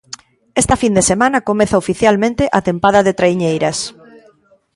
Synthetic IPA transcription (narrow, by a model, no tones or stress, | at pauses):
est̪ɐfind̪esemanɐkomeθaofiθjalmẽnt̪eʔat̪empaðɐðet̪ɾaiɲejɾɐs